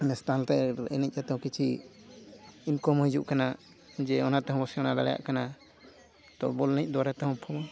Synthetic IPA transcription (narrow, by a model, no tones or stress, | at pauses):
nɛst̪ant̪ɛɛnɛc̚ˀat̪ɛɦɔ̃kit͡ʃʰi | inkɔmɔɦid͡ʒuʔkana | d͡ʒɛɔnat̪ɛɦɔ̃bɔsɛɔnalaɽɛja̰ʔkana | t̪ɔ̰bɔlnɛc̚ˀd̪ɔwaɾat̪ɛɦɔ̃pʰɔmɔ